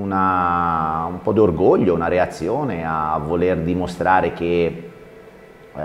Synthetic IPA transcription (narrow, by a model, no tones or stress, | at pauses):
una | umpɔd̪orɡoʎːounaɾeat̪sːjoːneavːolerd̪imost̪ɾaːɾek̟e